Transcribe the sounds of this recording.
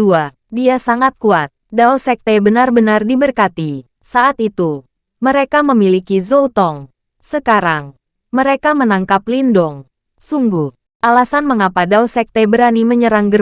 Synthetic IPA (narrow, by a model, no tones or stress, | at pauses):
ua | diasaŋat̪̚kuat̪̚dausɛk̚t̪ɛbənarbənardibərkat̪i | saʔat̪it̪u | məɾekaməmilikizout̪ɔŋ | səkaɾaŋ | məɾekamənaŋkaplindɔŋ | suŋɡuh | ʔalasanməŋapadawsɛk̚t̪ɛbəɾaniməɲəɾaŋɡəɾ